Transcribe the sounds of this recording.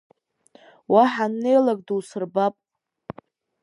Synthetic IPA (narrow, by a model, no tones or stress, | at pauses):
waħanːe̞jlak̚ʼduwsɨrbapʼ